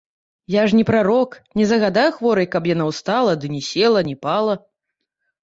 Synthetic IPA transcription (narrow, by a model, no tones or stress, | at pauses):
jaʐnʲɛpɾaɾɔknʲɛzɐɣad̪ajuxvɔɾɐjkɐpjanawst̪alˠɐd̪ɨnʲɛsʲɛlˠɐnʲɛpalˠɐ